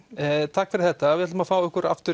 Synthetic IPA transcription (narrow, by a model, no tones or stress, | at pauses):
t̪ʰaːkfɪɾɪɾ̥θɛht̪avɪɛt̪mafaːwʏhkʏɾa̰ft̪ʏ